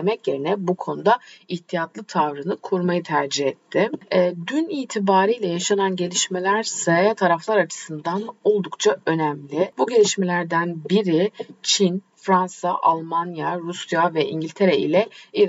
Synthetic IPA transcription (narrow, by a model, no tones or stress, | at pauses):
mɛcje̞ɾinɛbukʰo̞nud̪aiçt̪ʰijat̪lˠɯt̪ʰavɾɯnɯkʰuɾmajɯt̪ʰæɾd͡ʒihɛt̪ʰːɪɛːd̪yniːt̪ʰibaːɾɯjlʲɛjaʃananɟe̞lʲiʃme̞lʲæɾsajat̪ʰaɾaflˠaɾat͡ʃʰɯ̥sɯnd̪ano̞lˠd̪ukt͡ʃʰaø̞næmlʲɪbuɟe̞lʲiʃmelʲæɾd̪ænbiɾit͡ʃʰin | fɾansaʔalˠmanjaɾusjavɛʔḭɲɟilʲt̪ʰe̞ɾɛḭlʲɛi